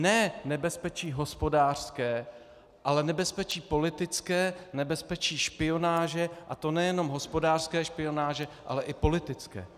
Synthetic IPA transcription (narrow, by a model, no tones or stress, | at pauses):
nɛːnɛbɛspɛt͡ʃiːɦo̞spo̞daːr̥skɛː | ʔalɛnɛbɛspɛt͡ʃiːpo̞lɪt̪ɪt͡skɛːnɛbɛspɛt͡ʃiːʃpɪo̞naːʒɛʔat̪o̞nɛjɛno̞mɦospo̞daːr̥skɛːʃpɪjo̞naːʒɛʔa̰lɛʔɪpo̞lɪt̪ɪt͡skɛ̰ː